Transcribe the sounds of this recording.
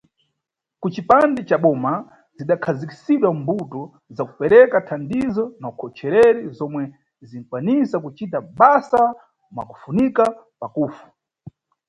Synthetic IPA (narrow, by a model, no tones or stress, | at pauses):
kut͡ʃipandɛt͡ʃaɓɔma | ziɗakʰaziki̥siɗwambutɔ | zakupɛɾɛkatʰandizɔnaukʰɔt͡ʃʰɛɾɛɾizɔmwɛ | zin̩kwanisakut͡ʃitaɓasa | mwa̰ku̥funika | pakuːfu̥